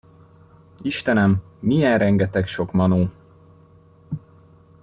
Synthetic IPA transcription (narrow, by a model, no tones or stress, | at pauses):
iʃt̪ɛnɛmːijɛnrɛŋɡɛt̪ɛkʃo̞kmɒnoː